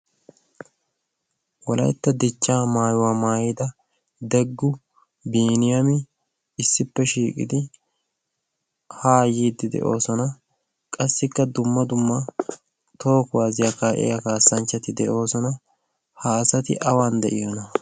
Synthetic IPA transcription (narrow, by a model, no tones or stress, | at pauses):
wɔlɐ̰jt̪ːɐd̪ɛt͡ʃːaːmaːjʊwaːmaːjɪd̪ɐ | d̪ɛɡːʊ | biːnɪjɐmɪ | ɪsːɪpːɛʃiːkʼɪ̰d̪ɪ | haːjiːd̪ːɪd̪ɛ̰ʔo̞ːsɔnɐ | kʼɐsːɪkːɐd̪ʊmːɐd̪ʊmːɐ | t̪o̞ːkʊwaːzɪjakaːʔɛ̰jɐkaːsːɐnt͡ʃːɐt̪ɪd̪ɛʔo̞ːsɔnɐ | hasɐt̪ɪ̰ʔɐwand̪ɛ̰ʔɪjɔnɐ